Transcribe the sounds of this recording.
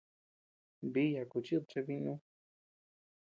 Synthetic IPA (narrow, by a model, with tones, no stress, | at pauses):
bi˦ja˨ku˨˧t͡ʃi˦t̪̚t͡ʃe˧βi˧nũ˦